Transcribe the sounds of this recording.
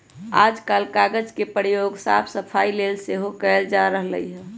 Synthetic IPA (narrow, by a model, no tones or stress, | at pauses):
aːd͡ʒkaːlkaɡəd͡ʒkepəjoɡsa̰pʰsəpʰaːilelseɦokɛɪld͡ʒaɾəɦlə̰iɦɛ